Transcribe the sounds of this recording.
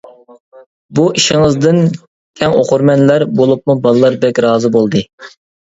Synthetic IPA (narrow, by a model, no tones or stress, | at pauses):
buʔiʃiɪŋəzd̪ɨn | t̪ʲʰɛŋo̰qʊɾmɛnlæɾbolˠup̚mubɑlˠlːˠɑɾb̪ɛkʲɾɑːzɨbolˠd̪ɨ